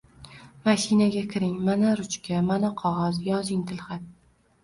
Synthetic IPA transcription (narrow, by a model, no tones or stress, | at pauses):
maʃinaɡʲakʲʰɪɾɪŋmanaɾʊt͡ʃkʲamanaqʰɒʁɒzjɒzɪŋt̪ʰɪlˠχat̪̚